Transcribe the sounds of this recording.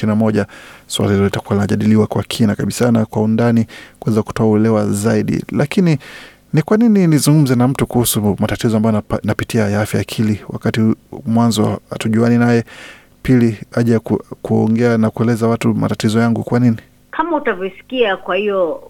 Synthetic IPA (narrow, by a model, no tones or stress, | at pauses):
inamɔʄaswa̰lahilɔlitakuwalinaʄaɗiliwakwakʰinakaɓisanakwaundanikuɛzaku̥tɔauwɛlɛwazaiɗḭlakini | nikwanininizuŋɡum̩zɛnam̩tukuhusumatatizɔambajnapitiajaafjajakʰiliwa̰katimwanzɔa̰tuʄuaninajɛ | piliaʄakkuɔ̰ŋɡɛanakuɛlɛzawatuma̰tatizɔjaŋɡukwanini | kʰamautavjɔsi̥kiakwahijɔ